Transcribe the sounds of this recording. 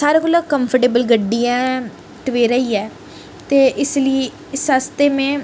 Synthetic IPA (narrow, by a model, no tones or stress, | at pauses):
saːɾeːkoːloːkəmpʰəʈeːbəlɡəɖːijãː | ʈəʋeːɾəiːɛː | t̪eːʔɪsləiː | ɪsast̪eːmẽː